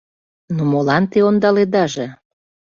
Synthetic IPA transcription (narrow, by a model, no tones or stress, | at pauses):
nomolɑnt̪eond̪ɑled̪ɑʒe